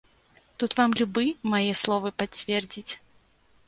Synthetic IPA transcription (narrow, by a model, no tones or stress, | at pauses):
t̪ut̪vamlʲubɨmajɛslˠɔvɨpat͡sʲvʲɛrd͡zʲit͡sʲ